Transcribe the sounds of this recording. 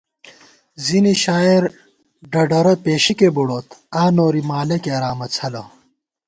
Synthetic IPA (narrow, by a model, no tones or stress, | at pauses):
ziniɕaːiɾ | ɖɐɖɐɾɐpeːɕikebuɽoːt̪ʰaːnoːɾimaːlɐkeɐɾaːmɐt͡sʰɐlɐ